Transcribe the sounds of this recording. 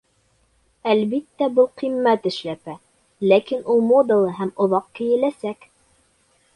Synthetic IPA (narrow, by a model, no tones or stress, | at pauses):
ælβit̪ːæbɤlˠqimːæt̪ɘ̆ʃlæpæ | lækinulˠmod̪ɤ̆lˠɤɦæmŏðɑq̚kɘ̆jɘ̆læsæk